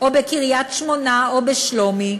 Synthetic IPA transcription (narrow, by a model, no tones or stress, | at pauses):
ʔobekiʁijat̪ʃmonaobeʃlomi